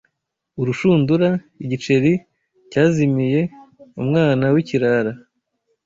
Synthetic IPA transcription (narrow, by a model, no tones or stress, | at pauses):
uɾuʃuːnduɾa | iɟit͡ʃe̞ɾi | caːzimije̞umŋaːnawiciɾaɾa